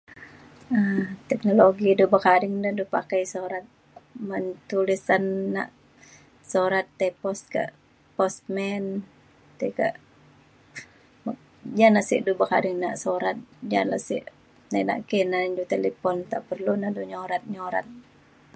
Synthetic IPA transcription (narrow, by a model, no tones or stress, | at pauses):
ət̪ɛk̚noloɡidubəkaɾɪŋdədupakajsoɾat̪̚ | mənt̪ulisanːa̰ʔ | soɾat̪ːepɔst̪̚ka̰ʔ | pɔst̪̚mɛn | t̪ɛka̰ʔ | m | d͡ʒanaʔsḭʔdubəka̰dɪŋna̰ʔsoɾat̪̚d͡ʒa̰la̰ʔsḭʔ | nana̰ʔkɛnaɲd͡ʒut̪elipɔnt̪aʔpərlunaʔduɲoɾat̪̚ɲoɾa̰t̪̚